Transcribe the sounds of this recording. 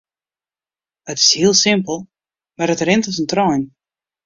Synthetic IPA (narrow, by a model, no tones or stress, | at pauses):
ətɪ̥shiəlˠsɪmpəlˠ | marətrɪntɪsəntrɔjn